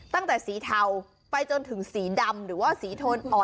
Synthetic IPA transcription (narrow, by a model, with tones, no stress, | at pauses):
t̪a˥˩ŋt̪ɛː˨˩siː˩˦t̪ʰa˨˧˩w | pa˧jt͡ɕo˧nt̪ʰɯ˩˦ŋsiː˩˦da˧mɾɯː˩˦waː˥˩siː˨˩˦t̪ʰoː˧nʔɔː˨˩